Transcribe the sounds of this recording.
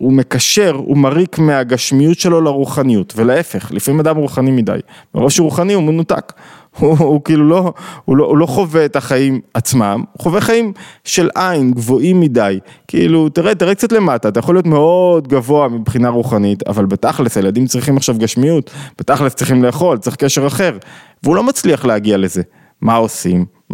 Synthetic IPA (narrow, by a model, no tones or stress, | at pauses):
ume̞kaʃe̞ʁṵmaʁikmeaɡaʃmijutʃe̞lo̞laʁuχanijutve̞leefe̞χlifamimadamʁuχanimida̰jmeʁoʃʁuχaniumenuta̰k | uːkiilulo̞uloʔulo̞χo̞ve̞t̪aχaimat͡smamuχo̞veχaimʃe̞lʔainɡvo̞ʔimːidajkiḭlutiʁet̪iʁek̚t͡sat̪le̞mataːt̪ajaχolijo̞tme̞odɡavo̞amibχinaʁuχanit̪a̰valbet̪aχlisajeladimt͡sʁiχimaχʃavɡaʃmijutb̥etaχlest͡sʁiχimleːχo̞lt͡seχkeʃeʁaχe̞ʁveulo̞mat͡sliaχleaɡiale̞ze̞ | mao̞sḭm